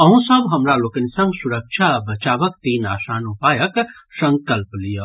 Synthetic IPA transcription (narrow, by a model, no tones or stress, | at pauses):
əɦũsəbɦəmɾalokənsə̃ŋɡsuɾək̚t͡ʃʰabət͡ʃaʋək̚t̪iːna̰ːsaːnupajəksə̃ŋkəlplijə